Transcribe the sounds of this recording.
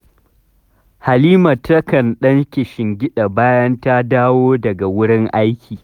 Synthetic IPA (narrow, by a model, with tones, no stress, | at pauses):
ha˨liː˦ma˨tɐ˦kɐ˨nɗɐ˦ŋkʲɪ˨ʃɪ˨ŋɡʲɪ˦ɗa˨baː˦jɐ˦nta˦daː˦woː˦dɐ˨ɡa˨wʊ˦ɽɪ˦ŋʔa˦jkʲiː˨